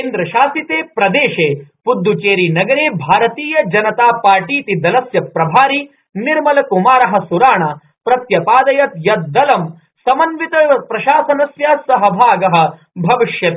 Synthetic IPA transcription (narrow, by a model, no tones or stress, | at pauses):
keːnd̪ɾɐʃaːsit̪eːpɾɐd̪eːʃeːpud̪ːut͡ʃeːɾinɐɡɐɾeːbʱaːɾɐt̪iːjɐd͡ʒɐnɐt̪aːpaːɾʈiːt̪id̪ɐlɐsjɐpɾɐbʱaːɾi | niɾmɐlɐkumaːɾɐɦɐ̆suɾaːɳaː | pɾɐt̪jɐpaːd̪ɐjɐt̪jɐt̪̚d̪ɐlɐm | sɐmɐnʋit̪ɐpɾɐʃaːsɐnɐsjasɐɦɐbʱaːɡɐɦɐ̆ | bʱɐʋiʃjɐt̪ː